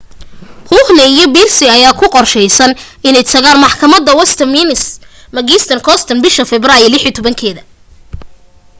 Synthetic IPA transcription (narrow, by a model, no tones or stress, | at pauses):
huhnɛijɞbirsɪɐjaːkʰʊqɔrʃɛjsɐn | ɪnɛjt̪ʰɐɣaːnmɑħkʰɐmɐd̪ɐwɐst̪ʰɐmiːnɪs | mɐɣiːst̪ʰɐnkʰɔst̪ʰɐnbɪʃɐfɛbraːjɪlɪħit̪ʰɔβɐŋkʰɛːðɐ